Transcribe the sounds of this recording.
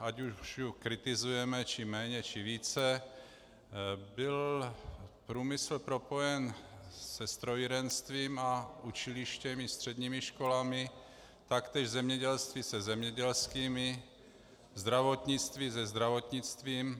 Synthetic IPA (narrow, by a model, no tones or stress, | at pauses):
acuʃjukɾɪt̪ɪzujɛmɛt͡ʃɪmɛːɲɛt͡ʃɪviːt͡sɛ | bɪl | pɾuːmɪsl̩pɾo̞po̞jɛnsɛst̪ɾojiɾɛnst̪viːmaʔut͡ʃɪlɪʃcɛmɪst̪r̥ɛd̪ɲiːmɪʃko̞lamɪ | t̪akt̪ɛːʒzɛmɲɛɟɛlst̪viːsɛzɛmɲɛɟɛlskiːmɪ | zd̪ɾavo̞t̪ɲɪt͡st̪viːzɛzd̪ɾavot̪ɲɪt͡st̪viːm